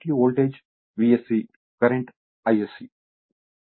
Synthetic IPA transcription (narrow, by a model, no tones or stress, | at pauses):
ʈioːlʈeːd͡ʒ | ʋiesi | kɐɾeɳʈ | ɐjesi